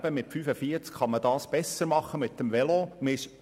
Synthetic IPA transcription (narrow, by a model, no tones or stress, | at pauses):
bəmɪtfyːfəfiəɾt͡skχɑməd̥ɑːsb̥ɛsəɾmɑχːəmɪt̚dəmʋɛlomɪʃ